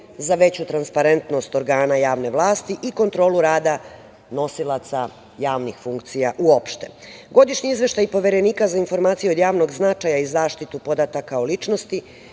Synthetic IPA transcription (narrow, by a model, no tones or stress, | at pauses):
zaʋe̞t͡ɕut̪ɾanspaɾe̞nt̪no̞st̪o̞ɾɡaːnajaːʋne̞ʋlˠaːst̪iʔiko̞nt̪ɾo̞ːluɾaːd̪a | no̞silˠat̪sa | jaːʋnixfuŋkt̪sijaʔuo̞pʃt̪e̞ɡo̞d̪iʃɲiizʋe̞ʃt̪ajpo̞ʋe̞ɾe̞niːkazainfo̞ɾmaːt̪sijeo̞d̪jaːʋno̞ɡznat͡ʃajaizaːʃt̪it̪upo̞d̪at̪akaolit͡ʃno̞st̪i